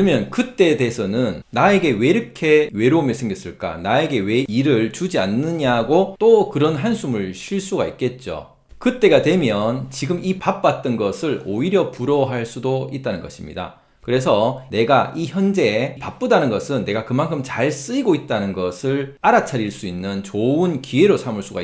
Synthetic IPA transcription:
mjʌnkɯt͈e̞desʰʌnɯnːae̞ɡe̞we̞iɾʌkʰe̞we̞ɾomjʌsʰeŋɡjiʌs͈ɯɭk͈a̰nae̞ɡe̞we̞iɾɯɭt͡ɕud͡ʑianːɯɲaɡot͈okɯɾʌnɦansʰumɯɭɕʰiɭs͈uɡa̰ḭk̚k͈e̞t̚t͡ɕ͈o̰ | kɯt͈e̞ɡadwe̞mjʌnt͡ɕiɡɯmipap̚p͈at̚t͈ɯnɡʌsʰɯɭoiɾjʌpuɾʌɦaɭs͈udoit̚t͈anɯnɡʌɕʰimɲḭda̰ | kɯɾe̞s̬ʰʌne̞ɡaiçjʌnd͡ʑe̞pap͈̚udanɯnɡʌsʰɯnːe̞ɡakɯmankʰɯmt͡ɕaɭs͈ɯiɡoit̚t͈anɯnɡʌsʰɯɭaɾat͡ɕʰaɾiɭs͈uinːɯnt͡ɕoɯnkie̞ɾosʰamɯɭs͈uɡa

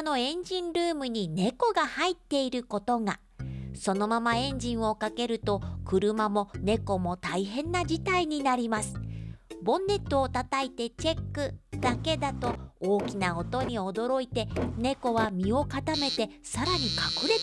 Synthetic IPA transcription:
no̞ẽ̞ɲ̟d͡ʑĩnɾɯ̟ːmɯ̟ɲ̟ine̞ko̞ɡahait̪ːe̞iɾɯ̟ko̞t̪o̞ŋa | so̞no̞mamaẽ̞ɲ̟d͡ʑĩɰ̃o̞kake̞ɾɯ̟t̪o̞kɯ̟ɾɯ̟mamo̞ne̞ko̞mo̞t̪aiɦẽ̞nːad͡ʑit̪aiɲ̟inaɾʲimasɨ̥bõ̞nːe̞t̪ːoːt̪at̪ait̪e̞t͡ɕe̞kːɯd̪̥ake̞d̪at̪o̞oːkʲinao̞t̪o̞ɲ̟io̞d̪o̞ɾo̞it̪e̞ne̞ko̞βamʲio̞kat̪ame̞t̪e̞saɾaɲ̟ikakɯ̟ɾe̞

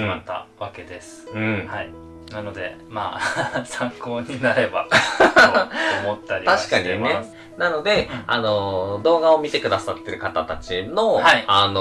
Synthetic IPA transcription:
at̪ːa̰βake̞d̪e̞sɨ̥ɯ̟̃ɴhai | nano̞d̪e̞ | ma̰ːsãŋko̞ːɲinaɾe̞ba̰ | mot̪ːaɾʲit̪aɕi̥kaɲ̟ine̞ | nano̞d̪e̞ano̞d̪o̞ːɡao̞mʲit̪e̞kɯ̟d̪asat̪ːe̞ɾɯ̟kat̪at̪at͡ɕino̞hiano

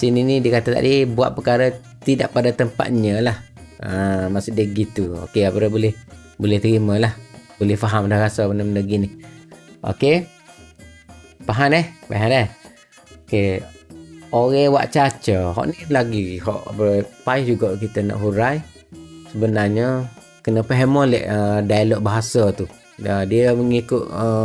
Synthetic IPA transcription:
sininidiəkat̪ət̪a̰ʔdibua̰ʔ̪̚pəkaɾə | t̪idaʔpadat̪əmpa̰t̪̚ɲəlah | əmasʊʔdiɡit̪uo̰keapədabolɛh | bolɛht̪əɾiməlahbolɛhfaɦamlahɾasabənəmnəɡinɪhʔo̰ke | paɦanɛhpaɦanɛh | oke | oɣewa̰ʔt͡ʃat͡ʃəɦɔ̰ʔnilaɡiɦɔ̰ʔəpaɪsd͡ʒuɡaʔkit̪əna̰ʔɦuɾaj | səbənarɲə | kənəpəɦəməlɛ̰ʔədailɔʔbaɦasət̪u | ədiəməŋikʊʔ̪ə

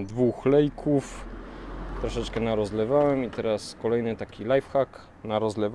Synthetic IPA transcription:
d̪vuxlɛjkʰuf | t̪ɾɔʂɛt͡ʂkɛnaɾɔzlɛvawɛmit̪ɛɾaskɔlɛjnɘt̪akʲilajfxak | naɾɔzlɛv

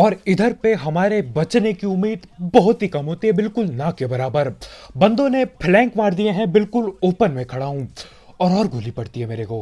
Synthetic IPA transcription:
ɔːɾɪd̪ʱəɾpeɦɐmaːɾebɐt͡ʃnekiʊmːiːd̪bɐɦʊt̪ɦikɐmɦoːt̪iɦɛbɪlkʊlnɐkebɐɾaːbəɾbɐ̃nd̪õnepʰlɛ̃ːŋkʋaːɾd̪ijẽɦɛ̃bɪlkʊloːpənmẽkʰɐɽaːɦũ | ɔːɾɔːɾɡʱuːlipɐɽt̪iɦɛmeːɾeɡoː

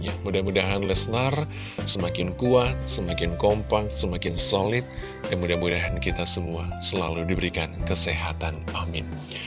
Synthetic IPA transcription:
ɲamudahmudaɦanlɛstar | səmakɪnkuat̪̚səmakɪnkompak̚səmakɪnsolɪt̪̚ | jaŋmudahmudaɦankit̪asəmuasəla̰ludibəɾikankəseɦat̪anamɪn

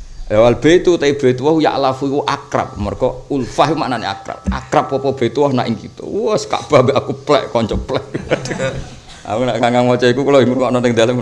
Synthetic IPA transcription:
awalb̥et̪ut̪aib̥et̪uwahuja̰ʔlafuiwɔʔakɾa̰p̚markɔulfaɦumaʔnanɛa̰kɾa̰p̚a̰kɾap̚kɔpɔb̥et̪uwɔhna̰ʔiŋkit̪ṵwɔska̰ʔb̥abeakuplɛ̰ʔkɔɲt͡ʃɔplɛʔ | ʔa̰munaʔkaŋɡaŋmɔt͡ʃɔikukulɔiŋuɾkɔʔnɔnɪŋd̪aləm

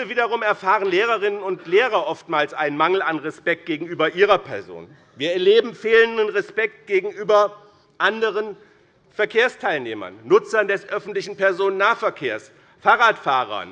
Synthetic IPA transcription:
viːdɐʁʊmɛɐfaːʁənleːʁɐʁɪnənʊntleːʁɐʔɔftmaːlsʔaɪnənmaŋl̩anʁɛspɛk̚t̚ɡ̥eːɡŋ̩yːbɐʔiːʁɐpʰɛɐzo̰ːn | viːɐɛɐleːbm̩feːləndənʁɛspɛk̚t̚ɡ̥eːɡŋ̩ʔyːbɐ | ʔandəʁən | fɛɐkʰeːɐstʰaɪlneːmɐ̰nːʊt͡sɐndɛsʔœfn̩tlɪçn̩pɛɐzoːnənːaːfɛɐkʰeːɐs | faːʁaːtfaːʁɐ̰

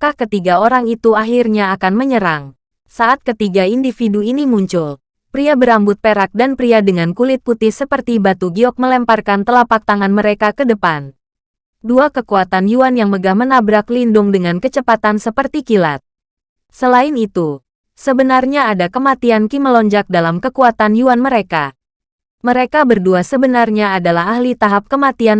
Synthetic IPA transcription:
kahkət̪iɡaoɾaŋit̪uaɦirɲaːkanməɲəɾaŋ | saʔat̪̚kət̪iɡaindifiduinimuɲt͡ʃʊl | pɾiabəɾambʊt̪̚peɾak̚danpɾiadəŋankulɪt̪̚put̪ɪhsəpərt̪ibat̪uɡiɔk̚məlɛmparkant̪əlapak̚t̪aŋanməɾekakədəpan | duakəkuat̪anjuanjaŋməɡahmənabɾaklindʊŋdəŋankət͡ʃəpat̪ansəpərt̪ikila̰t̪̚ | səlaɪnit̪u | səbənarɲaːdakəmat̪iankiməlɔɲd͡ʒak̚dalamkəkuat̪anjuanməɾeka | məɾekabərduasəbənarɲaːdalahɦahlit̪aɦap̚kəmat̪ian

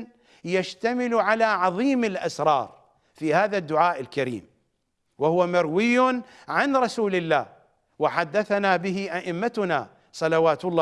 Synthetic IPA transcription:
jaʃt̪amɪlʕalaːʕɑðˤiːmɪlʔasɾˤɑ̰ːɾˤ | fihaːðad̪ːʊʕaːʔɪlkaɾḭːm | wɪhʊwamaɾwɪjːʊ | ʕanɾˤɑsuːlɪlːaːh | wɪħad̪ːaθanaːbɪɦɪʔaʔɪmːat̪ʊna | sˤɑlɑwaːt̪ʊlˤː

